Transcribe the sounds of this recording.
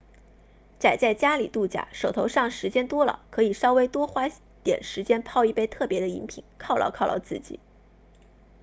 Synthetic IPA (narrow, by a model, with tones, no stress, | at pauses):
t͡sa˨˩ɪt͡sa˥˩ɪt͡ɕja˥li˨˩t̪u˥˩t͡ɕja̰˨˩ʂo˨˩ʊt̪ʰo˧˥ʊʂɑ˥˩ŋʂɻ̩˧˥t͡ɕjɛ˥nt̪wɔ˥lə̰˨˩kʰɤ˧˥i˨˩ʂɑ˥ʊwe˥ɪt̪wɔ˥xwa˥ | t̪jɛ̰˨˩nʂɻ̩˧˥t͡ɕjɛ˥npʰɑ˥˧ʊi˥˩pe˥˧ɪt̪ʰɤ˥˩pjɛ˧˥d̪ə˧ḭ˧˥npʰḭ˨˩˦nkʰɑ˥˧ʊlɑ̰˧ʊkʰʊlɑ̰˥˧ʊt͡sɹ̩˥˩t͡ɕḭ˨˩˦